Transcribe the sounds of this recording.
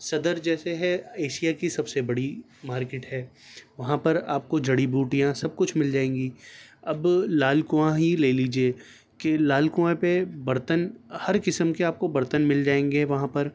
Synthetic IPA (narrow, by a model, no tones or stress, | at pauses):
sɐd̪əɾd͡ʒɛːseɦɛeːʃijakisɐbsebɐɽi | maːɾkeːʈɦɛːʋɐɦãpɐɾaːp̚kod͡ʒɐɽibuːʈijãsɐb̚kʊt͡ʃʰmɪld͡ʒaːẽːŋɡiːɐblaːlkoãɦileːliːd͡ʒieː | kelaːlkoãpebɐɾt̪ənhɐɾkɪsəmkeaːp̚kobɐɾt̪ənmɪld͡ʒaːẽːŋɡeʋɐɦãpɐɾ